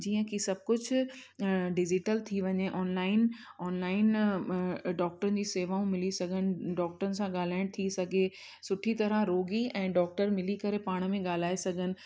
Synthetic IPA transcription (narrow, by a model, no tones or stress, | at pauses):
d͡ʑiːə̃kisɐb̚ʱkʊd͡ʑʱ | ɖɪd͡ʑɪʈəlt̪ʰiʋɐɲeʔɔːnlaːɪn | ɔːnlaːɪn | ɖɔːk̚ʈəɾən̆d͡ʑiːseːʋaːũmɪlisɐɡʱənɪ̆ɖɔːk̚ʈəɾənɪ̆sãɠaːl̤aːɪɽ̃t̪ʰisɐɡʱe | sʊʈʰit̪ɐɾəɾoːɡiɛ̃ːɖɔːk̚ʈəɾmɪlikɐɾepaːɽ̃mẽɠaːl̤aːesɐɡʱənɪ̆